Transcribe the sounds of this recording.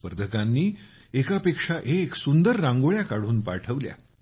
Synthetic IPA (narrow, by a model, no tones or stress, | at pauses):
pəɾd̪ʱəkãnːiː | ekapekʂaʔeksund̪əɾːãŋɡoɭjakaɽ̤uːnpa̰ʈʰəʋlja̰